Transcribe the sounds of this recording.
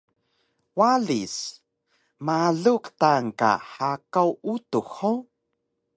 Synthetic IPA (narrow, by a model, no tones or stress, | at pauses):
waɮis | maɮuktaŋka̰ħakawutuxo